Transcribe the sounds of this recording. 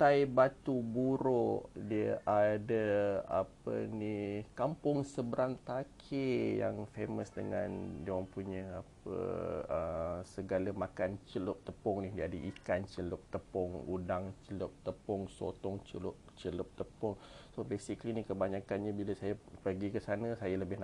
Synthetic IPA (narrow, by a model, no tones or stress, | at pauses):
t̪ajbat̪ubuɾoʔdiəʔadaa̰pə̰nikampʊŋsəbəɾaŋt̪akʰeja̰ŋfeməsdə̰ŋa̰ndiəməmpuɲəapə̰əsəɡalamakant͡ʃəlʊp̚t̪əpɔŋnihdiadəʔikant͡ʃəlʊp̚t̪əpɔŋṵdaŋt͡ʃəlʊp̚t̪əpɔŋso̰t̪ɔŋt͡ʃəlʊʔ̚ | t͡ʃəlʊp̚t̪əpɔŋsobesikəlinikəbaɲakanɲabiləsajapəɡikəsanəsajaləbɪhna